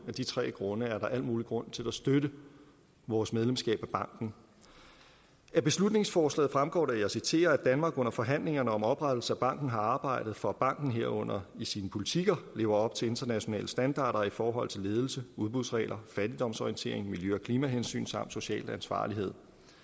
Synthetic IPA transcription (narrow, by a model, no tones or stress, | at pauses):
æd̥it͡sʰʁɛ̰ːɡ̥ʁɔ̽nəæɐɾɑ̈ʔæl̰d̥muːliɡ̥ʁɔ̽n̰t͡sʰe̝læsd̥øɾə | ʋɒːsmeð̞ˠlemsɡ̥ɛ̰ːb̥æb̥ɑ̈ŋ̰ɡ̥n̩ | æb̥e̝slud̥ne̝ŋsfɒːslɛ̰ːð̩ˠfʁamɡ̥ɒ̰ːɾæɐjɑsit͡sʰe̝̰ːɐæd̥ænmɑ̈ːɡ̥ɔ̽n̰ɐfɒ̽ɦæn̰le̝ŋɐnəɒ̽mɒ̽b̥ʁad̥l̩səæb̥ɑ̈ŋ̰ɡ̥n̩ɦɑ̈ɑ̈ːb̥ɑ̈ɪ̰d̥ð̩ˠfɒ̽b̥ɑ̈ŋ̰ɡ̥n̩ɦe̝ɐ̰ɔ̽n̰ɐisiːnəpʰo̝lit͡sʰiɡ̥ɐle̝̰ːʊɐɒ̽b̥̚t͡sʰe̝e̝nd̥ɐnæɕo̝nɛ̰ːləsd̥ænd̥ɑ̰̈ːɾ̥ɐifɒːɦɒ̽l̰t͡sʰe̝le̝ːð̞ˠl̩səuð̞ˠb̥uðˠsʁɛ̰ːlʔɐfæɾ̥id̥ɒ̽msɒjent͡sʰe̝ɐe̝ŋmiljøɒ̽kʰliːmæɦensy̰ːnsɑ̈m̰d̥so̝ɕɛ̰ːlænsʋɑ̰̈ːliɦe̝ð̞̰ˠ